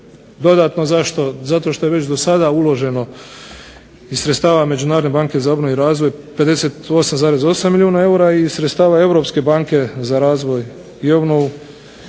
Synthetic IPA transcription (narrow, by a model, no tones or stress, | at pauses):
d̪o̞d̪aːt̪no̞zaʃt̪ozat̪o̞ʃt̪o̞jeʋe̞t͡ɕd̪o̞sad̪aulˠo̞ʒe̞no̞ | isɾet̪st̪aːʋame̞d͡ʒunaːɾod̪ebaːŋke̞zaobnoiɾaːzʋo̞jpe̞d̪e̞se̞t̪o̞samzaːɾe̞zo̞samːilʲjuːnae̞uɾaisɾet̪st̪aːʋae̞ʋɾo̞pske̞baːŋke̞zaɾaːzʋo̞j | iobnou